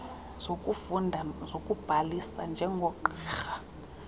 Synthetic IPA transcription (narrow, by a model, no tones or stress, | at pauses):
z̥okʼufundʱazokʼub̥ʱalisa̰nd͡ʒʱɛŋɡʱɔǃiːxa